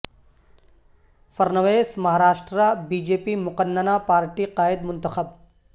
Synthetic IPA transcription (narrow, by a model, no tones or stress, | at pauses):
fɐɾnɐʋeːsmɐɦaːɾaːʃʈɾabiːd͡ʒeːpimʊqənːənapaːɾʈiqaːɪd̪mʊnt̪əxəb̚